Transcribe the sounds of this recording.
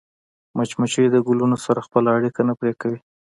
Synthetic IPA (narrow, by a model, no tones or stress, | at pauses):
mat͡ʃmat͡ʃojed̪əɡʊlunosaɾaxpəlaːɽikanapɾekawi